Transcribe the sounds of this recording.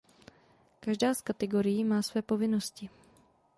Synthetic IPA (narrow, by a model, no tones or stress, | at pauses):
kaʒdaːskat̪ɛɡo̞ɾɪjiːmaːsvɛːpo̞vɪno̞scɪ